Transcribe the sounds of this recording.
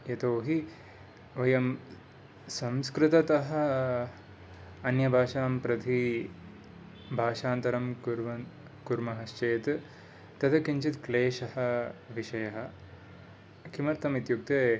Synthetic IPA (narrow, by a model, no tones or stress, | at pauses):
jɐt̪oːɦi | ʋɐjɐm | sɐmskɾɪt̪ɐt̪ɐɦɐ̆ | ɐnjɐbʱaːʃaːmpɾɐd̪ʱi | bʱaːʃaːnt̪ɐɾɐmɾʋɐ | kuɾmɐɦɐst͡ʃeːt̪ | t̪ɐt̪ʰɐkiɲt͡ʃit̪kleːʃɐhɐ̆ʋiʃɐjɐɦɐ̆ | kʰimɐɾt̪ɐmit̪juk̚t̪e